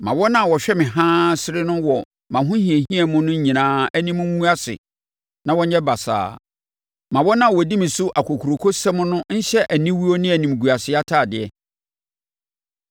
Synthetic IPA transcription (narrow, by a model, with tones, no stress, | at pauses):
mã˨wɔ˦nã˦˨wɔ˨ɕᶣɛ˦mɪ̃˨ɦãː˦sɪ˦ɾɪ˦nʊ̃˦wɔ˨ | mã˨ɦʊ̃˦hĩ˨e˨ɦĩ˦ɛ˨mʊ̃˦nʊ̃˦ɲĩ˨nãː˦æ˦nĩ˦mʊ̃˦ũ˦a˦sɪ̰˨ | nã˦wɔ˦ɲɛ˦ba˨sa̰ː˨ | mã˨wɔ˦nã˦˨wɔ˨di˦mɪ̃˨sʊ˦ʔa˨kʰo˨kʰu˨ɾo˨kʰo˦sɛ˦mʊ̃˦nʊ̃˦n̩˦ɕɛ˦ʔæ˨nĩ˦wi˦o˦nɪ̃˦æ˨nĩ˨m˨ɡu˨a˨sɪ˦a˦tʰaː˦˨dɪ˨ɛ˨